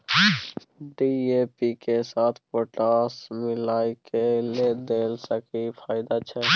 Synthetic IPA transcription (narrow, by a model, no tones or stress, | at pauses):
ɖiepikesaːt̪ʰpoːʈaːsmɪlaːikeled̪eːlsəkipʰaːɪd̪at͡ʃʰɛ